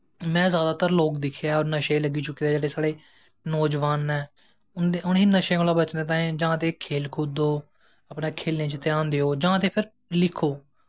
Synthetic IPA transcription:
mɛ̃ːzjaːd̪aːt̪əɾloːk̚d̪ɪkʰːejaːɔːɾnəʃeːləɡiːt͡ʃʊkːiːd̪aːd͡ʒeːɽeːsaːɽeː | nɔːd͡ʒʋaːnɛː | ʊʊniːnəʃẽːolaːbət͡ʃnd̪eːt̪̬ãːẽːd͡ʒəãːt̪eːkʰeːlkʰʊd̪oː | əpneːkʰeːlnẽːt͡ʃɪt̪ːeãːnd̪eːɦoːd͡ʒaãːt̪eːpʰɪɾ | lɪkʰːoː

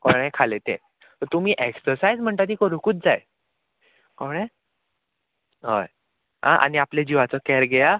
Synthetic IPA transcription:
kɔɽ̃ɛ̃kʰalet̪ḛ̃ | t̪əɾt̪um̤iːʔeksəɾsajd͡zm̤əɳʈ̪at̪̬iːkəɾukuːt̪̚d͡zaj | kɔɽ̃ẽ | ɦə̰j | ɦã̰ʔa̰niapled͡ʑiʋat͡sɔkɛɾɡeja

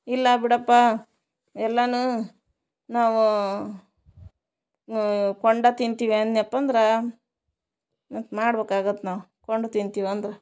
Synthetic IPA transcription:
ilːɐbiɽɐpːa | ɛlːɐnu | naːʋu | koɳɖat̪int̪iːʋiɐnniɐpːɐnd̪ɾɐ | ɐt̪maːɽbeːkaːɡɐt̪ːnaːʋukoɳɖat̪int̪iːʋɐnd̪ɾɐ

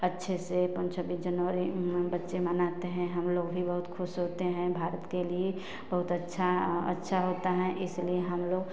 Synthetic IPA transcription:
ɐtːʃʰesepə̃nt͡ʃʰəbiːsd͡ʒənʋəɾibɐtːʃemənaːt̪eɦɛ̃ɦɐmloːɡbʱibɐɦʊt̪kʰʊsɦoːt̪eɦɛ̃bʱaːɾət̪kelie | bɐɦʊt̪ətːʃʰaə̰tːʃʰaɦoːt̪aɦɛ̃ʔɪslieɦɐmloːɡ

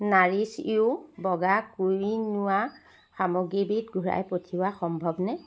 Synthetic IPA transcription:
naɹisiʊbɔɡakujinʊwa | xamɔɡibitɡʱuɹa̰jpotʰiwaxɔmbʱɔbnɛ

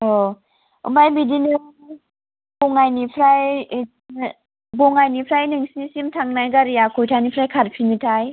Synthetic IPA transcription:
ɔ | ɯ̰mbajmidinɯŋ | bɔŋajnipʰɾaj | bɔŋajnipʰɾajnɯŋsinisimtʰaŋnajɡaɾijakʰɔjtʰanipʰɾajkʰat̚pʰinitʰaj

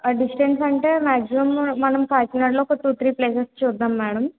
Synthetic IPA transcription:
aːɖisʈeɳʈsɐɳʈeːmaːkd͡ʒiʋɐmːɐnɐmkaːt͡ʃinɐɽloːkɐʈuːt̪ʰɾiːpleːsɐɾst͡ʃuːd̪ːaːmːɛːɽɐm

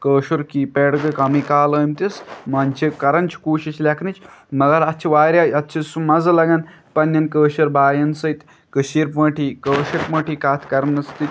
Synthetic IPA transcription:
kəːʃuɾkiːpeɽɡɐkɐmikaːləːmt̪ʲismɐnʲt͡ʃʰekɐɾɐnt͡ʃʰi̥kuːʃit͡ʃlʲakʰnit͡ʃmɐɡaɾɐt̪t͡ʃʰiʋaːjɾʲaɐt̪ːt͡ʃʰisumɐzɐlɐɡan | pɐnʲːɐnkəːɕɐɾbaːjɐnsɐjt̪ʲ | kəɕiːɾpə̃ːʈʰikəːʃɐɾpə̃ːʈʰikaːt̪ʰkɐɾɐnɐst̪it̪ʲ

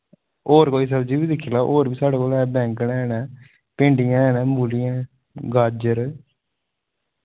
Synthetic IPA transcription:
oːɾkoːiːs̬əbd͡ʒiːʋiːd̪ɪkʰːilaːʔoːɾʋiːsaːɖeːkoːlɛːbɛ̃ːŋknɛ̃ɛːnɛː | pɪɳɖijãːɛːnɛ̃ːmuːlijãː | ɡaːd͡ʒəɾ

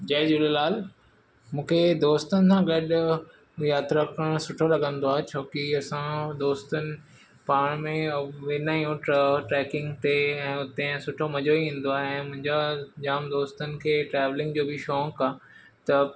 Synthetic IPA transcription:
d͡ʑaːd͡ʑʊlelaːl | mũːkʰed̪oːst̪ənɪ̆sãɡɐɗʊ | jaːt̪ɾəkəɽ̃sʊʈʰolɐɡə̃nd̪oaːɦet͡ɕʰoːkiɐsãd̪oːst̪ənɪ̆ | paːɽ̃mẽʋɪnaːjũʈʈɾɛːkɪ̃ŋɡt̪eɛ̃ːʊt̪ẽsʊʈʰomɐd͡ʑoĩːn̆d̪oaːɦɪɛ̃ːmʊ̃ɦɪ̃ɲd͡ʑad͡ʑaːmd̪oːst̪ənɪ̆kʰeːʈɾɛːʋlɪ̃ŋɡd͡ʑoːbɪʃɔːŋkaː | t̪ɐ

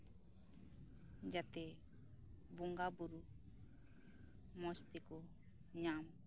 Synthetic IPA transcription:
d͡ʒat̪e | buŋɡabuɾu | mɔst̪iko | ɲam

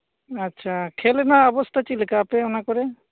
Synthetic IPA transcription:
atːt͡ʃʰakʰɛlɛnaːbɔst̪ʰat͡ʃilɛkapɛɔnakɔɾɛ

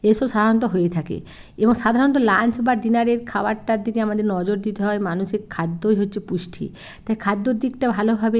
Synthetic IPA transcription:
eʃɔbʃad̪ʱaɾɔnɔt̪̬oɦojet̪ʰakḛ | eboŋʃad̪ʱaɾɔnt̪̬olansbaɖinaɾeɾkʰawaʈaɾd̪ʱikeamad̪eɾnɔd͡ʑoɾd̪it̪eɦɔemanuʃekʰːad̪ːojɦotːɕʰepuʃʈʰḭ | t̪akʰad̪ːoɾd̪ikʈabʱalobʱabe

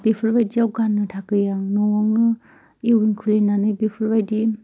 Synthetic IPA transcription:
b̥ipʰɯɾbajdiawɡanːɯtʰakɯjaŋnɔwɔŋɯ | ewunkʰulenanɯjbipʰɯɾbajdi

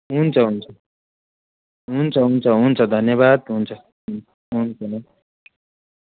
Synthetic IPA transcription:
ɦunt͡sʰʌɦunt͡sʰʌ | ɦunt͡sʰʌɦunt͡sʰʌɦunt͡sʰʌd̪ʱʌnjʌβad̪ɦunt͡sʰʌ | ɦunt͡sʰʌ

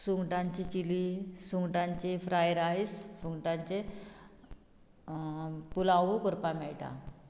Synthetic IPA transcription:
suŋɡʈãɲt͡ɕit͡ɕilisuŋɡʈãɲt͡ɕefɾajɾajsfuŋɡʈãɲt͡ɕe | pulãʋokɔɾpamɛɭʈã̰

